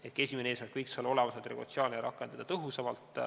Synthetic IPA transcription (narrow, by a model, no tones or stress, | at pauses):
e̞t̪̚kes̬ʲimeneeːsmæɾkːˑkɤjksolo̞lemɑset̪ɾeɡot̪siɑːlneɾɑkːˑe̞nd̪ɑd̪̥ɑt̪ɤɦusevɑlt̪ˑ